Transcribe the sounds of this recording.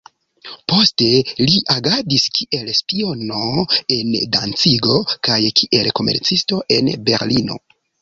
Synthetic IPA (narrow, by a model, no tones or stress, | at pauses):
po̞ste̞liʔaɡadiskʰiʔe̞lspio̞no̞e̞ndant͡siɡo̞kajkʰiʔe̞lko̞me̞̰ɾt͡sisto̞ʔe̞̰nbe̞̰ɾlino̞̰